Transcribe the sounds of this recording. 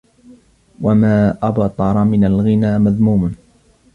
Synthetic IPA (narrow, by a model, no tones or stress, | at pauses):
wamaːʔabɑt̪ˤɑɾˤɑmɪnalɣɪnaːmaðmuːm